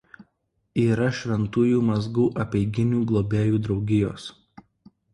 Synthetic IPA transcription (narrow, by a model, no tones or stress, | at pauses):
iːɾɐʃʲʋʲɛnt̪uːjuːmɐzɡuːʔɐpʲɛɪɡʲɪnʲuːɡlˠoːbʲeːjuːd̪ɾɒʊɡʲɪjo̰ːs